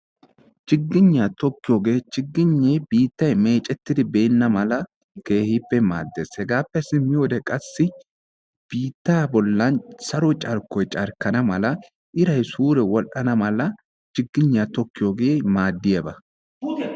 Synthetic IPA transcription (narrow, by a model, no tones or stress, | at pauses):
t͡ʃɪɡːɪɲːat̪ɔkːɪjoːɡe̞ːt͡ʃɪɡːɪɲːejbiːt̪ːɐjme̞ːt͡ʃʼɛt̪ːɪd̪ɪbe̞ːnːɐmɐlɐ | ke̞ːhɪpːɛma̰ːd̪ːeːshɛɡaːpːɛsɪmːɪjoːd̪ɛkʼɐsːɪ | b̥iːt̪ːaːbɔlːɐnsɐɾɔt͡ʃʼɐɾkːɔjt͡ʃʼɐɾkɐnɐmɐlɐ | ʔɪɾɐjsuːɾɛwɔlʔɐnɐmɐlɐ | t͡ʃɪɡːɪɲːat̪ɔkːɪjoɡe̞ːmaːd̪ːɪjɐbɐ